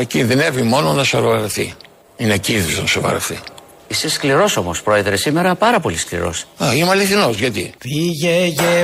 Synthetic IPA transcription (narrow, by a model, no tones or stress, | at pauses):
eciðenevimo̞no̞nɐsoɾovɐɾɐθḭ | ineciðiznɐsovɐ̰ɾɐ̰θḭ | iseskliɾo̞so̞mospɾo̞eðɾesime̞ɾɐpɐɾɐpo̞lisklḭɾo̞̰sɐimuɐliθino̞zʝɐt̪ipiʝeʝe